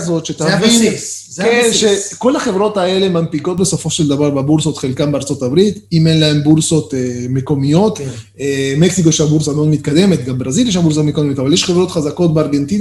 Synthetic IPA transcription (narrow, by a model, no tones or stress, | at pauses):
zo̞t̪ʃet̪avi | kenʃeko̞laχe̞vʁo̞t̪ae̞le̞mampiko̞t̪besofo̞ʃeld̪avaʁbebulso̞t̪χelkambeaʁt͡so̞tabʁit̪imenlae̞mbulso̞t̪emeko̞mijo̞t̪ | meksikojʃeabulsameod̪mit̪kad̪e̞me̞t̪ɡambʁaziljeʃ̬ambulsotmekodmot̪avaljeʃχevʁo̞t̪χazako̞t̚beaʁɡe̞nt̪ina